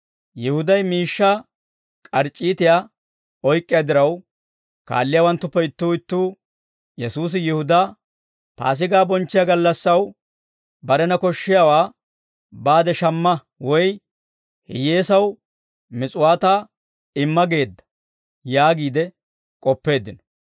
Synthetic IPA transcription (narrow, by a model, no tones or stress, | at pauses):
jɪhʊd̪ɐjmiːʃːa | kʼɐɾt͡ʃʼːiːt̪ɪjaː | ɔjkʼːɪjad̪ɪɾɐw | ka̰ːlːɪjaːwɐnt̪ːʊpːɛɪt̪ːuːɪt̪ːuː | jɛsuːs̬ɪjɪhʊd̪a | pa̰ːs̬ɪɡaːbɔnt͡ʃːɪjaɡɐlːɐsːɐw | bɐɾɛnɐkɔʃːɪjawaː | baːd̪ɛʃɐmːɐ | wɔj | hɪ̰jeːsɐw | mɪt͡sʼʊwaːt̪aː | ɪmːɐɡe̞ːd̪ːɐ̥ | jaːɡiːd̪ɛ | kʼɔpːe̞ːd̪ːɪnɔ̥